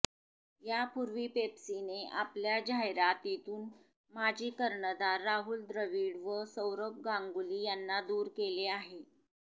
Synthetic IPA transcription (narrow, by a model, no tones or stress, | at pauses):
japuɾʋiːpepsineʔapljad͡ʑajɾat̪it̪uːn | mad͡ʑʱiːkəɾɳəd̪aɾːaɦuːld̪ɾəʋiːɽʋəsəwɾəp̚ɡãŋɡuliːjanːad̪uːɾkeleaɦe